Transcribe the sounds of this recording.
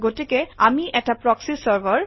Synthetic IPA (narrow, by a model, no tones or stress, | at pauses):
ɡotikeamiʔɛk̚ʈapɹɔksisəɹbəɹ